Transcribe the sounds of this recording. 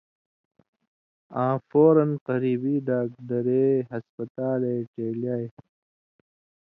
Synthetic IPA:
ãːfoːɾɐnqɐɾiːbiːɖaːk̚dɐɾeːɦɐspɐt̪aːleːʈeːljaːj

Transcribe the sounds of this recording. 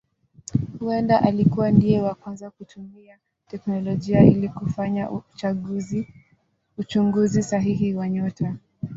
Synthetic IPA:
huɛndaʔalikuwandijɛwakwanzakutʰumia | tɛknɔlɔʄiailikufaɲa | ut͡ʃuŋɡuzisaɦiɦiwaɲɔta

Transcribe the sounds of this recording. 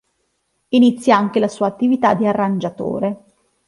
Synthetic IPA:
init̪sːjaaŋk̟elasuːaːt̪ːivit̪ad̪iarːand͡ʒat̪o̰ːɾe

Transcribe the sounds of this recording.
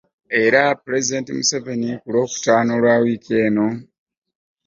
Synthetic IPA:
e̞ɾapɾe̞zide̞ːntimuseve̞nikulo̞ːku̥taːno̞ːlwaːwiːke̞ːno̞

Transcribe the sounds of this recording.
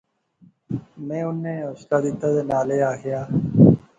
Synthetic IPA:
mɛ̃ːʊnːẽːoːʃt̪aːd̪ɪt̪ːaːd̪eːnaːleːaːɡɪjaː

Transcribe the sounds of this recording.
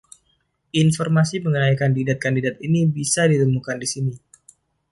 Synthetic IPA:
infɔrmasiməŋənajkandidat̪̚kandidat̪̚inibisadit̪əmukandisini

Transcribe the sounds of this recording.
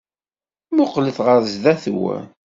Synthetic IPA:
mʊqləθʁəɾzðæθwæ̰

